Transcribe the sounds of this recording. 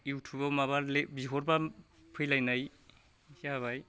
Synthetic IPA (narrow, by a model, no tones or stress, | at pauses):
iwtʰubawmaβaɾlebiɦɔɾba | pʰɯjlajnaj | saβaj